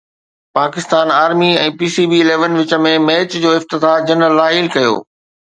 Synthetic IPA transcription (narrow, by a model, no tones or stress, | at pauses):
paːkɪst̪aːnaːɾmiɛ̃ːpiːsiːbiɪleːʋənʋɪt͡ɕə̆mẽmeːt͡ɕd͡ʑoːɪft̪ɪd̪aːd͡ʑɐnəlːaːɦiːlkɐjo̰ː